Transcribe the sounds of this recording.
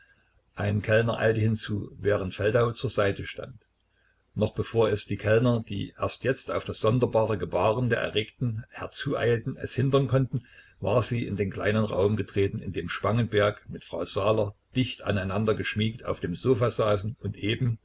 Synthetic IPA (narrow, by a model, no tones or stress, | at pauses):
ʔaɪnnkʰɛlnɐ̰ʔa̰ɪltəhɪnt͡suːvɛːʁ̞əntfɛldaʊt͡suːɐzaɪtəʃta̰nt | nɔχb̥əfoːɐɛsd̥iːkʰɛlnɐd̥ḭːʔḛɐstjɛt͡sta̰ʊfd̥asz̥ɔndɐbaːʁəɡəbaːʁəndeːɐʔɛ̰ʁeːktn̩hɛɐt͡suːʔa̰ɪltn̩ɛ̰shɪntɐnkʰɔntn̩ | va̰ːɐziːɪndeːnkla̰ɪnənʁa̰ʊmɡətʁ̥eːtn̩ɪ̰ndeːmʃpaŋənbɛɐkmɪtfʁ̥aʊzaːlɐd̥ɪçta̰naɪnandɐɡəʃmiːkta̰ʊfd̥eːmzoːfaːzaːsn̩ʊntʔeːbm̩